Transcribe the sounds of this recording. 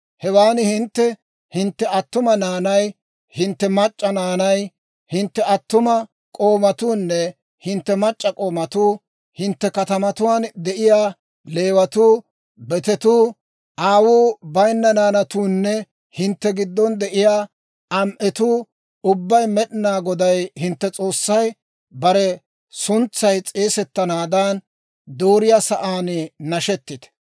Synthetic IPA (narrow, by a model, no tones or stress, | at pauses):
hɛwaːnhɪnt̪ːɛ | hɪnt̪ːɛɐt̪ːʊmɐnaːnɐj | hɪnt̪ːɛmɐt͡ʃʼːɐnaːnɐj | hɪnt̪ːɛɐt̪ːʊmɐ | kʼo̞ːmɐt̪uːnːɛ | hɪnt̪ːɛmɐt͡ʃʼːɐkʼo̞ːmɐt̪uː | hɪnt̪ːɛkɐt̪ɐmɐt̪ʊwaːnd̪ɛʔɪjaː | le̞ːwɐt̪uː | bɛt̪ɛt̪uː | ʔaːwuːbɐjnːɐnaːnɐt̪uːnːɛ | hɪnt̪ːɛɡɪd̪ːɔnd̪ɛʔɪjaː | ɐmʔɛt̪uː | ʊbːɐjmɛɗɪnaːɡɔd̪ɐjhɪnt̪ːɛt͡sʼo̞ːsːɐj | bɐɾɛ | sʊnt͡sːɐjt͡sʼeːsɛt̪ːɐnaːd̪aːn | d̪oːɾɪjasɐʔaːnnɐʃɛt̪ːɪt̪ɛ̥